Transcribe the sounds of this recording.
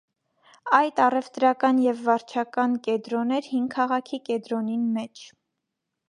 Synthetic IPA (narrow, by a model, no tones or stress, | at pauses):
ɑjt̪ɑrɛvt̪ɾɑkɑnjɛvːɑɾt͡ʃʰɑkɑnkɛd̪ɾɔnɛɾhiŋɡkʰɑʁɑkʰikɛd̪ɾɔninmɛt͡ʃʰ